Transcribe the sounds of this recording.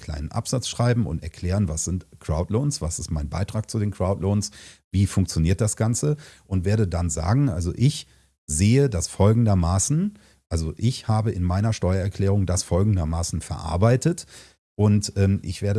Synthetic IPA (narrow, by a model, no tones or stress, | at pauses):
kʰl̥a̰ɪnənʔa̰pz̥at͡sʃʁ̥aɪbm̩ʊ̰ntɛɐkʰl̥ɛːʁ̞ənvasɪntkʁ̥aʊtloːnsv̥asɪstmaɪnba̰ɪtʁ̥aːk̚t͡sudeːnkʁ̥aʊtloːnsviːfʊŋkt͡sjoniːɐt̚d̥asɡ̥ant͡səʔʊntv̥eːɐdədanza̰ːɡŋ̩ʔa̰lzo̰ʔɪç | zeːədasfɔlɡŋ̩dɐmaːsn̩ | ʔalzoʔɪçhaːbəɪnmaɪnɐʃtɔʏɐɛɐkl̥ɛːʁ̞ʊŋdasfɔlɡŋ̩dɐmaːsn̩fɛɐʔa̰ɐbaɪtət | ʔʊntʔɛːmʔɪçv̥eːɐɾə